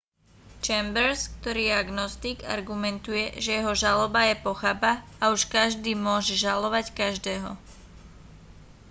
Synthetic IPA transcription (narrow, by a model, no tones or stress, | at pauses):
t͡ʃɛmbɛɾskt̪ɔɾiːaɡnɔst̪iɡa̰ɾɡumɛnt̪ujɛʒɛjɛɦɔʒalɔbajɛpɔxabaauʃkaʒd̪iːmʊɔʒɛʒalɔʋackaʒd̪ɛːɦɔ̰